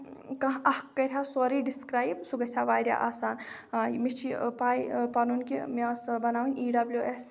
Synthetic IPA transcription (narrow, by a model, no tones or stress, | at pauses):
kɐ̃ɦɐhkːɐɾʲɦasoɾiːɖiskɾaːjbsuɡɐsʲaːʋaːjɾja̰ʔaːsaːnmit͡ʃʰipaːjpɐnunkimiasbɐnaːʋinʲiːɖɐbljuʔes